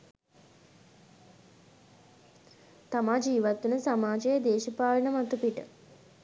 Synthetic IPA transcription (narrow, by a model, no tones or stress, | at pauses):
t̪amaːd͡ʒiːʋat̪ːunəsamaːd͡ʒejəd̪eːʃipaːlənəmat̪upiʈə